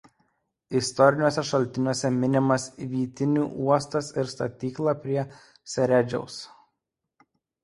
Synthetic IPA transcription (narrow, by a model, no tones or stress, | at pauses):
ɪst̪ɔɾʲɪnʲoːsʲɛʃɐlʲt̪ʲɪnʲuɔsʲɛmʲɪnʲɪmɐsʋʲiːt̪ʲɪnʲuːʔuɔst̪ɐsɪɾst̪ɐ̰t̪ʲiːklˠɑpʲɾʲiɛ | sʲɛɾʲæd͡ʒʲɛ̰ʊs